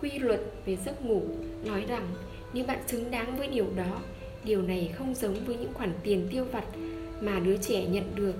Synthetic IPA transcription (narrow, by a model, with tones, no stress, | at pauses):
kwi˧lwə˨˩t̚ve˨˩zɨ˦˥t̚ŋu˧˩nɔ˨˦jza˨˩ŋ | ɲɨ˧ɓa̰ː˧˨nt͡ɕɨ˨˦ŋɗaː˨˦ŋvəː˨˦jɗi˨˩əwɗɔ˨˦ | ɗi˨˩əwna˨˩jxə˧wŋ͡mzə˨˦wŋ͡mvəː˨˦jɲɨ̰˧˥ŋxwaː˧˩nt̪i˨˩ənt̪i˧əwva˨˩t̚ | maː˨˩ɗɨ˨˦ət͡ɕɛ˧˩ɲə̰˧˨nɗɨ˨˩ək̚